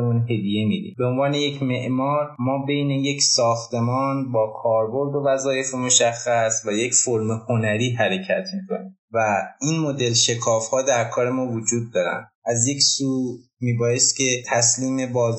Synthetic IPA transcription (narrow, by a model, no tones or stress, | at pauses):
emunɦe̞d̪ije̞mid̪ḭmbe̞onvɒːne̞je̞cʰme̞ʔmɒːɾmɒːbe̞jne̞je̞cʰsɒːxt̪e̞mɒːnbɒːkʰɒːɾbo̞ɾd̪o̞væzɒːje̞femo̞ʃæxːæsvæje̞cfoɾmeho̞næɾiːɦæɾe̞cʰæt̪ʰmiːkʰo̞̰niː | væiːnmo̞d̪e̞lʃe̞kʰɒːfhɒːd̪æɾkʰɒːɾe̞mɒːvod͡ʒuːd̪ːɒːɾæ̰nd̪ʔæzje̞csuːmiːbɒːje̞st̪̚cʲʰe̞t̪ʰæsliːme̞bɒːz